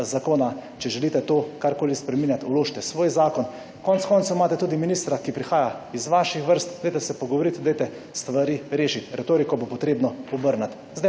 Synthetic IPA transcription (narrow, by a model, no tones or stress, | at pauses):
zakoːnat͡ʃɛʒɛliːt̪ɛt̪oːkaɾkoːlispɾɛmiːnjat̪uloːʃt̪ɛsʋoːjzaːkɔn | kɔntskɔnt̪omaːt̪ɛt̪uːd̪iminiːst̪ɾakipɾixaːjaizʋaʃixʋəɾst̪d̪ɛjt̪ɛsɛpɔɡɔʋɔɾit̪d̪ɛjt̪ɛ | st̪ʋaɾiːɾeːʃit̪ɾɛt̪oːɾikɔbopɔt̪ɾeːbnɔɔbəɾnat̪ | zd̪ɛ